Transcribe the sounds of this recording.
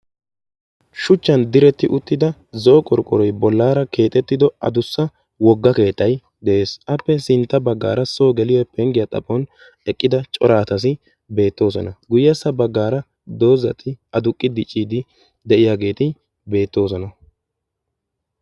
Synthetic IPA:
ʃʊt͡ʃːɐnd̪ɪɾɛt̪ːɪʔʊt̪ːɪd̪ɐ | zɔʔɔkʼɔɾkʼːɔɾɔjbɔlːaːɾɐke̞ːt̪ʼːɛt̪ːɪd̪ɔɐ̰d̪ʊsːɐ | wɔɡːɐke̞ːt̪ʼːɐj | d̪ɛʔe̞ːsɐpːɛsɪnt̪ːɐbɐɡːa̰ːɾɐso̞ːɡɛlɪjɔɛpɛŋɡɪjɐt̪ʼɐ̰pʼːɔn | ɛkʼːɪd̪ɐt͡ʃʼɔɾaːt̪ɐs̬ɪ | be̞ːt̪ːo̞ːs̬ɔnɐɡʊjjɐsːɐbɐɡːaːɾɐ | d̪o̞ːzɐt̪ʰːɪɐd̪ʊkʼːɪd̪ɪt͡ʃʼːiːd̪ɪ | d̪ɛʔɪjaːɡe̞ːt̪ɪ | be̞ːt̪ːo̞ːs̬ɔnɐ

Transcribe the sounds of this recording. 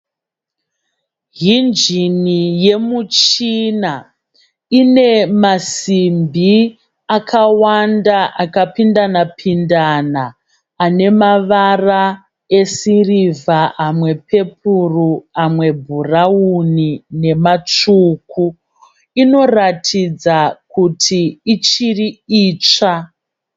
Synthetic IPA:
ɦind͡ʒinije̞mut͡ʃina | ine̞masimbʱi | akʰawandaʔakapindanapʰindanaː | ne̞maʋara | e̞sirivaʔamwe̞pʰe̞pʰuruamwe̞bʱuraunine̞mat͡ʂuːku | ino̞ratʰid͡zakutʰiːt͡ʃiriiːt͡ʂa

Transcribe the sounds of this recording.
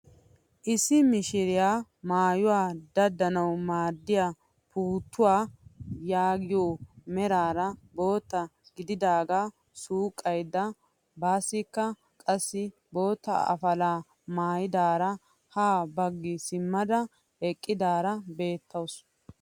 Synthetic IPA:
ʔɪsːɪmɪʃɪɾɪjaː | maːjʊwaːd̪ɐd̪ːɐnɐwmaːd̪ːɪja | pʰuːt̪ːʊwaːjaːɡɪjoːmɛɾaːɾɐbo̞ːt̪ːɐɡɪd̪ɪd̪aːɡaː | suːkʼːɐjd̪ːɐ | baːsːɪkːɐ | kʼɐsːɪ | bo̞ːt̪ːɐ̰ɐ̰fɐlaː | maːjɪd̪aːɾɐ | haːbɐɡːɪsɪmːɐd̪ɐ | ɛkʼːɪd̪aːɾɐbe̞ːt̪ʰːɐws

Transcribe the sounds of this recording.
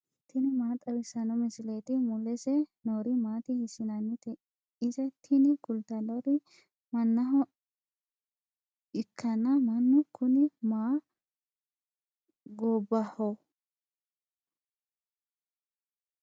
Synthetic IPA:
t̪ːɪnɪmaːt̪ʼɐwɪsɐnɔmɪsɪleːt̪ɪmʊlɛsɛnoːɾɪmaːt̪ɪhɪsɪnɐnːɪt̪ɛ | ɪzɛt̪ʰːɪnɪkʊlt̪ɐlɔɾɪ | mɐnːɐɦɔ | ɪkʰːɐnɐmɐnːʊkʰʊnɪmaː | ɡoːbːɐhɔ

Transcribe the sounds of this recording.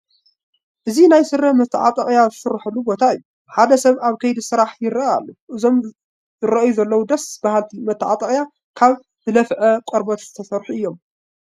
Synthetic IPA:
ʔɨzinajsɨɾːɐmɐt̪ʰːʕa̰t̪ʼɐɣʼjazɨsɨɾħɨlːubo̞t̪ʰaɨjːu | ħad̪ɐsɐβaβkʰɐjd̪isɨɾaħjɪɾɐʔa̰lːuʔɨzo̞m | zɨɾɐʔjuzɐlːɐwud̪ɐsbahalt̪ʰimɐt̪ʰːɨʕa̰t̪ʼɐχʼja | kʰaβ | zɨlɐfʕɐkʷʼɐɾbɐt̪z̥ɨt̪ʰɐsɐɾħuʔɨjːo̞m

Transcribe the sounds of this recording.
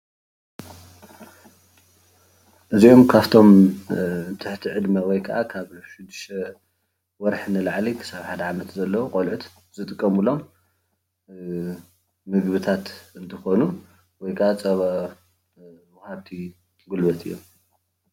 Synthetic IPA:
ʔɨzio̞mkʰaβt̪ʰo̞m | t̪ʰɨħt̪ʰiʕɨd̪mɐwɔjkʰɐʔakʰaβʃɪd̪ɨʃɐ | wɔɾħnɨlaʕlikʰɨ̥saβaħad̪ɐʕamɐt̪zɐlːɐwuqʼolʕut̪ | z̥ɨt̪ʼɨkʼːɐmulo̞m | mɨɡbɨt̪ʰat̪ɨnt̪ʰɐxo̞nu | wɔjkʰɐʔat͡sʼɐβa | wʊhaβt̪ʰi | ɡulbɐt̪ʰɨjːo̰m

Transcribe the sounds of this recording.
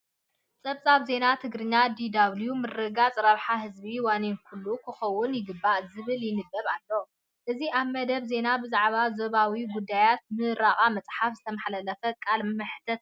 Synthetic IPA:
t͡sʼɐβt͡sʼaβze̞nat̪ʰɨɡɾɨɲːad̪id̪aβljumɨrːɨɡat͡sʼɾɐβħaɦɨzbiwanenkʰulːukʰɨxɐwʊnjɪɡɨbːaʔzɨβɨljɪnɨd̪ːɐβalːo | ʔɨziʔaβmɐd̪ɐβze̞nabɨzaʕβazoβawiɡud̪ːajat̪̚mɨɾaχʼamɐt͡sʼħafzɨt̪ʰɐmaħlɐlɐfɐkʼalmɨħt̪ʰɐt̪̚

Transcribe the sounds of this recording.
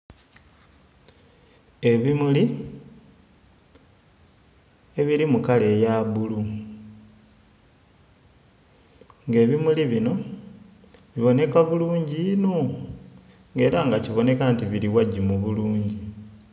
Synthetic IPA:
e̞βimuli | e̞βiɾimukale̞jaβulu | ŋɡe̞ːβimuliβino̞ | βiβo̞ne̞kaβuluːɲɟino | ŋɡe̞ːɾaŋɡaciβo̞ne̞kaːntiβiɾiwaɟimuβuluːɲɟi

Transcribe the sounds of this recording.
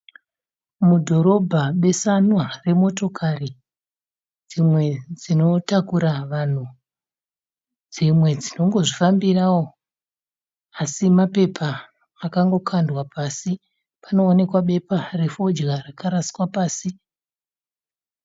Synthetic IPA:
mudʱo̞ɾo̞bʱaɓe̞sanware̞mo̞to̞kʰari | d͡zimwe̞d͡zino̞takuɾaʋan̤u | d͡zimwe̞d͡zino̞ŋɡo̞ʐifambirawo | asimape̞pʰaː | kaŋɡo̞kʰandwapasi | pano̞ːne̞kwaɓe̞pare̞fo̞d͡ʒɣarakaɾasiwapaːsi

